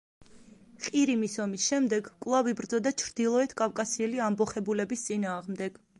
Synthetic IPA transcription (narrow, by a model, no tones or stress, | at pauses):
qʼiɾimisɔmisʃɛmd̪ɛɡkʼwlˠavibɾd̪zɔd̪at͡ʃʰɾd̪ilˠɔɛt̪ʰkʼafkʼasiɛliambɔχɛbulɛbist̪sʼinaːʁmd̪ɛɡ̥